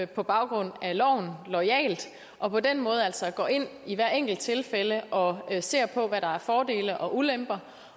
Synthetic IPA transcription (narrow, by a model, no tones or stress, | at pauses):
pʰɒ̽b̥ɑ̈ʊɡ̥ʁɔ̽n̰ælɒʊ̰n̩lɒɪɛ̰ːld̥ | ʔɒ̽pʰɒ̽den̰mɔ̽ːð̞ˠæl̰sɒ̽ɡ̥ɒ̰ːe̝n̰iʋæɐ̰eŋ̰ɡ̥l̩d̥̚t͡sʰe̝lfeləʔɒ̽se̝ɐ̰pʰɒ̽ʋæɾ̥ɑ̈æɐfɒːd̥e̝̰ːləʔɒ̽ʔulem̰b̥ɐ